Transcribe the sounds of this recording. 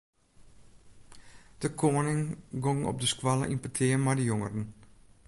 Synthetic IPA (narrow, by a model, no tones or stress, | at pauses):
d̥əkʰoːnɪŋɡoŋɔ̰p̚dəskwalˠə̰ʔinpətʰɪːmajdəjoŋərən